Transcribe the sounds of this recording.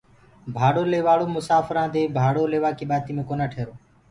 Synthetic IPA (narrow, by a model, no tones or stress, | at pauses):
bʱaːɽoːleːʋaːɽoːmʊsaːfɾãːd̪eːbʱaːɽoːleːʋaːkiːɓaːt̪iːmẽːkoːnaːʈʰeːɾoː